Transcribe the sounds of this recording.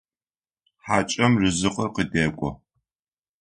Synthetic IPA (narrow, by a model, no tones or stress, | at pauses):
ħaːt͡ʃʼɐmrɨzɨqɐrqədeːkʷʼɔ̰